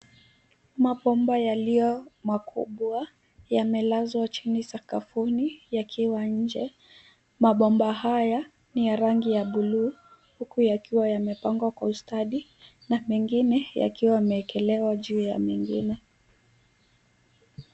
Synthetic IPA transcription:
maɓɔmbajalijɔmakʰṵɓwa | jamɛlazwat͡ʃinisakafunijakʰiwaɲ̩d͡ʒɛ | maɓɔmbaɦaja | nijaɾaŋɡijaɓuluː | hukujakiwajamɛpaŋɡwakwaustaɗi | namɛŋɡinɛja̰kiwamɛːkɛlɛwaʄuːja̰mɛŋɡḭnɛ

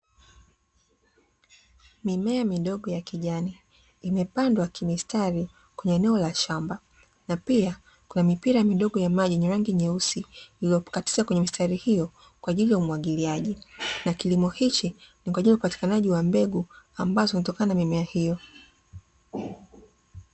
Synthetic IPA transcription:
mimɛamiɗɔɠɔjakiʄaniː | mɛpandwakʰimistʰaɾi | kwɛɲɛːnɛɔlaʃamba | napia | kunamipiɾamiɗɔɠɔjamaʄiɲɛɾaŋɡiɲɛusiilijɔkati̥zakwɛɲɛmistaɾihijɔ | kwaʄilijaumuwaɠiliaʄinakilimɔhit͡ʃinikwaʄilijaupati̥kanaʄiwambɛɡuambazɔinatɔkananamimɛahijɔ

